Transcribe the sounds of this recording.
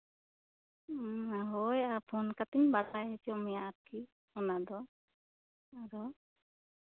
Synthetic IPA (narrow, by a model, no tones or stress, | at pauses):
aɦojapʰɔnkat̪inbadajɦesiɔmijaːtʰi | ɔnad̪ɔ | aɾɔ